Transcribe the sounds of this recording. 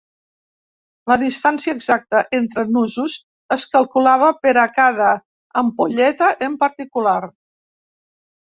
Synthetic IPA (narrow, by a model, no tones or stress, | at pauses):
ləðist̪ansiəːɡzak̚t̪əʔent̪ɾənuzuz | əskəlˠkulaβ̞əpəɾəkaðəː | mpoʎɛt̪əʔəmpəɾt̪ikulaɾ